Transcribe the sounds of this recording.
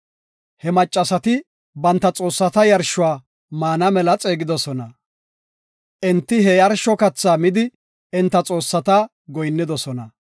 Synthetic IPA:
hɛmɐt͡ʃʼːɐsɐt̪ɪ | bɐnt̪ːɐt͡sʼo̞ːsːɐt̪ɐjɐɾʃʊwaː | maːnɐmɛlɐt͡sʼe̞ːɡɪd̪ɔsɔnɐ | ʔɪnt̪ːɪɦɛjɐɾʃɔkɐt͡sːaːmɪd̪ɪ | ɪnt̪ːɐt͡sʼo̞ːsːɐt̪ɐ | ɡɔjnːɪd̪ɔsɔnɐ

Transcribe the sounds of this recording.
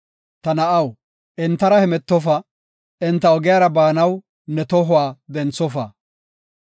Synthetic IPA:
t̪ɐnɐʔɐw | ɪnt̪ːɐɾɐhɛmɛt̪ːɔfɐ | ɪnt̪ːɐɔɡɪjaːɾɐbaːnɐw | nɛt̪ɔɦʊwaːd̪ɛnt͡sːɔfɐ

